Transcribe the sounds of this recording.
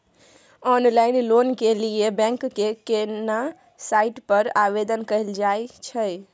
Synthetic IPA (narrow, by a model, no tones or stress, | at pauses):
ɔnlainlonkeliebɛ̃ŋkːekena | saiʈpəɾabed̪ənkəɦild͡ʒajt͡ʃʰəj